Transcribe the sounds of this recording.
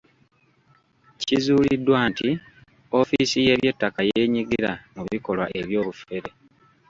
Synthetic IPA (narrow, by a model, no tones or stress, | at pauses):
cizuːlidːwaːnti | o̞fisije̞ːβje̞tːakajeːɲiɡiɾamuβiko̞lwaʔeβjo̞ːβufe̞ɾe